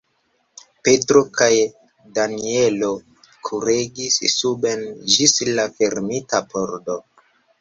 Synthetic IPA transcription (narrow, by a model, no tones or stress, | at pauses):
pe̞tɾo̞kaj | danielo | kʰuɾeɡissube̞nd͡ʒislafe̞ɾmitapoɾdo̞